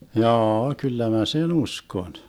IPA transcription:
jɑːɑ kylːæ mæ sen uskon

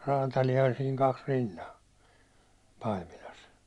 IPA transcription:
rɑːtɑlijɑ olʲ siːŋ kɑks rinːɑ pɑimilɑs

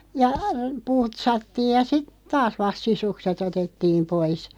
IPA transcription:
jɑ putsɑtːiːj jɑ sit tɑːs ʋɑst sisukset otetːiːm pois

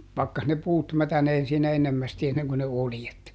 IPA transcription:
pɑkːɑs ne puːt mætæneːn siːnæ enːemːæsti enːeŋko ne oljet

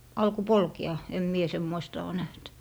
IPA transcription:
ɑlko polkeɑ em mie semːoistɑ oː næht

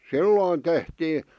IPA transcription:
silːoːn tehtiː

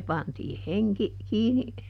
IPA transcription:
pɑntiːh heŋki kiːni

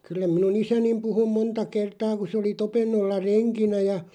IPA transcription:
kylːæ minun isænim puhu montɑ kertɑː ku se oli topenːolːɑ reŋkinæ jɑ

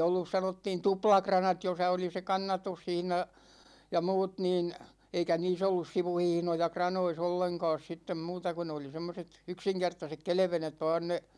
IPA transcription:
olːus sɑnotːiːn tuplɑkrɑnɑt josɑ oli se kɑnːɑtushihnɑ jɑ muːt niːn eikæ niːs olːus siʋuhihnojɑ krɑnois olːeŋkɑ̝ːs sitːem muːtɑ ku ne oli semːoset yksiŋkertɑsek kelĕʋenet ʋɑːn ne

